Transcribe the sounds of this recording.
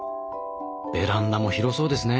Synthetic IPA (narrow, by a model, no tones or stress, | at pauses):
b̥e̞ɾãnːamo̞çiɾo̞so̞ːd̪e̞sɨne